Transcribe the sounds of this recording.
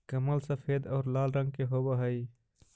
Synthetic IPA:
kəməlsəpʰeːd̪ɔːɾlaːlɾə̃ŋɡ̚keɦobəɦəi

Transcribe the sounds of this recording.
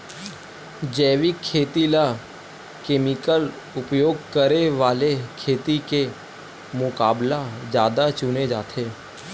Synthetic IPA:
d͡ʒɛːʋɪkʰːeːt̪ila | keːmɪkəl | ʊpjoːɡkəɾeʋaːlekʰeːt̪ike | mʊkaːblad͡ʒjaːd̪at͡ʃʊned͡ʒa̰ːt̪ʰeː

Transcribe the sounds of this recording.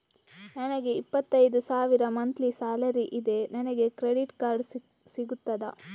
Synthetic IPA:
nɐnɐɡe̞ipːɐt̪ːɐjd̪usaːʋiɾɐmɐnt̪lisaːlɐɾiʔid̪e̞nɐnɐɡe̞kɾeɽiʈkaːɾɖ | siɡut̪ːɐd̪ɐ

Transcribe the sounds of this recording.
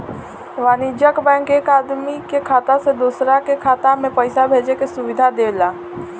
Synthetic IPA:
ʋaːnid͡ʒəkbɛ̃ːŋkeːkaːd̪mikekʰaːt̪ãsed̪uːsɾakekʰaːt̪amẽpəɪsabʱeːd͡ʒekesʊʋɪd̪ʱad̪eːlaː

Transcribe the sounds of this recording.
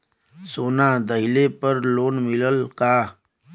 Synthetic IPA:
soːnad̪ɐɦɪlepɐɾloːnmɪləlkaː

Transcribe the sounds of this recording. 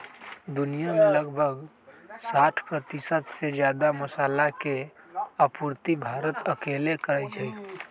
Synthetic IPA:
d̪unijameləɡbʱəɡ | saʈʰpɾət̪isət̪sed͡ʒjad̪aməsaːlake | əpuɾt̪ibʱaɾət̪əkelekəɾət͡ʃʰə

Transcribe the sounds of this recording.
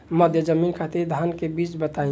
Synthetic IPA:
məd̪ʱjəd͡ʒəmiːnkʰat̪iɾd̪ʱaːnkebiːt͡ʃbət̪aːĩ

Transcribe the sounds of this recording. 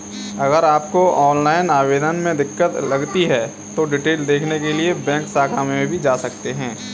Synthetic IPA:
ɐɣəɾaːp̚koɔːnlaːɪnaːʋeːd̪ənmẽd̪ɪkːət̪lɐɡt̪iɦɛ | t̪oɖɪʈeːld̪eːkʰnekeliebɛ̃ːŋksaːkʰaːmẽmẽbʱid͡ʒaːsɐkt̪eɦɛ̃ː

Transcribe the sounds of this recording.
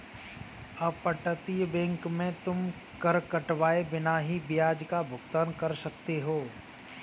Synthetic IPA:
ɐpəʈət̪ijbɛ̃ːŋkmẽt̪ʊm | kɐɾkɐʈʋaːebɪnaɦibɪjaːd͡ʒkabʱʊɡt̪aːnkɐɾsɐk̚t̪eɦoː

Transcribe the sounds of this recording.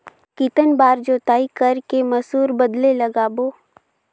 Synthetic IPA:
kit̪ənbaːɾd͡ʒoːt̪aːikɐɾkemɐsuːɾbəd̪lelɐɡaːboː

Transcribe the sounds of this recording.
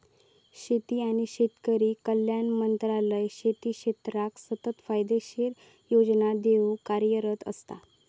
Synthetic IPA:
ɕet̪iːañiɕet̪kəɾiːkəljanmənt̪ɾaləjɕet̪iːɕet̪ɾaksət̪ət̪fajd̪eɕiɾ | jod͡ʑnad̪eʋũkaɾjəɾət̪ə̰st̪a̰

